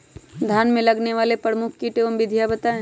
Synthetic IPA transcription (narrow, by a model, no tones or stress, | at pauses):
d̪ʱjaːnmẽlɐɡneʋaːlepɾəmʊkʰkiʈeʋmbɪd̪ʱjabɐt̪aẽ